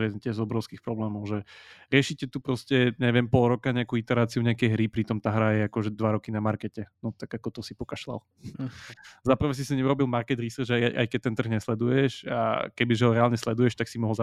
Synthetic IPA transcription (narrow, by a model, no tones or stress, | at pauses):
ɛt̪ɪɛzɔbɾɔʊskixpɾɔblɛːmɔʊʒɛɾɪɛʃicɛt̪upɾɔscɛɲɛʋɪɛmpɔlɾɔkaɲɛakuit̪ɛɾaːt͡siuɲɛakɛjɦɾipɾit̪ɔmt̪aːɦɾajɛakɔʒɛd̪ʋaɾɔkinamaɾkɛcɛnɔt̪aɡakɔt̪ɔsipɔkaʃla̰l | zapr̩ʋɛs̬isiɲɛuɾɔbilˠmaɾkɛd̪ɾisrd͡ʒajjʔa̰jkɛc̚t̪ɛnt̪r̩ɣɲɛslɛd̪ujɛʃa̰kɛbiʒɛɦɔɾɛaːlɲɛslɛd̪ujɛʃt̪aksimɔɦɔlza